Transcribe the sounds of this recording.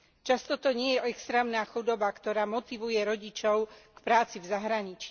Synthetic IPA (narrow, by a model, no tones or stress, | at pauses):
t͡ʃast̪ɔt̪ɔɲɪɛjɛʔɛkst̪ɾɛːmnaːxud̪ɔbakt̪ɔɾaːmɔt̪iʋujɛɾɔɟit͡ʃɔʊkpɾaːt͡sivzaɦɾaɲit͡ʃi